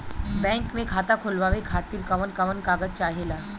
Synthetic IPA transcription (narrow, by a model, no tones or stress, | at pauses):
bɛ̃ːŋkmẽkʰaːt̪akʰolʋaːʋekʰaːt̪iɾkɐʋənkɐʋənkaːɡəd͡ʒ̚t͡ʃaːɦelaː